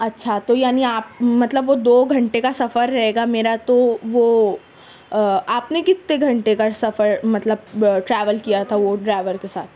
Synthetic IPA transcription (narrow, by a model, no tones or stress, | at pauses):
ɐtːʃʰat̪ojaːniaːp̚mɐt̪ləbʋod̪oːɡʱɐ̃ɳʈekasɐfəɾːɐɦeːɡameːɾat̪oʋoː | aːpnekɪt̪ːeɡʱɐ̃ɳʈekasɐfəɾmɐt̪ləbʈɾɛːʋəlkijat̪ʰaʋoɖɾaːɪʋəɾkesa̰ːt̪̚ʰ